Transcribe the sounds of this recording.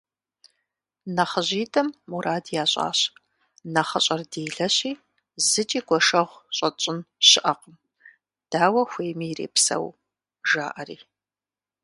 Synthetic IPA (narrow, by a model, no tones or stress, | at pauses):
nɐχəʑiːtʰʼɐmːuɾʔaːdjaːɕʼa̰ːɕ | nɐχɐɕʼɐrdeːɮɐɕiː | zɨt͡ʃʼiːɡʷɔʂɐʁʷɕʼɐt͡ʃʼɪnɕɪʔɐqəm | d̥aːwɐxʷeːjmiːrḛːpsɐ̰w | ʒa̰ːʔɐrḭː